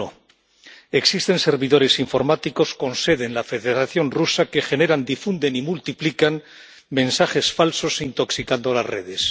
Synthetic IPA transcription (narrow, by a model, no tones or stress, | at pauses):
o | e̞ksist̪e̞nse̞ɾβiðo̞ɾe̞siɱfo̞ɾmat̪iko̞sko̞nse̞ðe̞nlafe̞ðe̞ɾaθjo̞nrusake̞xe̞ne̞ɾand̪ifund̪e̞nimult̪iplikan | mẽ̞nsaχe̞sfalso̞sint̪o̞ksikand̪o̞lazre̞ð̞e̞s